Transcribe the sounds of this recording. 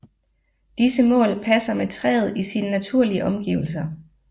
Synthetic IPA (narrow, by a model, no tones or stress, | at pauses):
d̥isəmɔ̰̽ːlpʰæsɐmet͡sʰʁɛ̰ːð̩ˠisinənæt͡sʰuɐ̰liəʔɒ̽mɡ̥iːʊl̩s̬ɐ